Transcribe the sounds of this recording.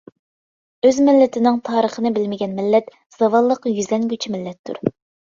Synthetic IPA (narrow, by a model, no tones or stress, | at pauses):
øzmɪlːɪt̪ʰɪnɪŋt̪ʰɑːɾəχənɨbɪlmɪɡʲɛnmɪlːɛt̪ | z̥ɑvɑlˠːəqjyzlɛŋɡʲyt͡ʃʰimɪlːɛt̪ʰːṵɾ